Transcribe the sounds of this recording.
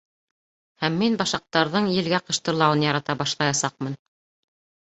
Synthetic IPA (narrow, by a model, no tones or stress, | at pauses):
hæmːinbɑʃɑq̚t̪ɑɾðɤɴjɘ̆lɡæqɤ̆ʃt̪ɤ̆ɾlˠɑwɤnjɑɾɑt̪ɑbɑʃlˠɑjɑsɑq̚mɤn